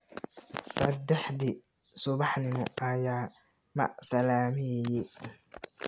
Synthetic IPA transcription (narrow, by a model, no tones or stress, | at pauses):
sɐd̪ːɛħd̪ɪ | sʊβɑħnɪmʊʔɐjaː | mɐ̰ʔsɐlaːmɪjɛ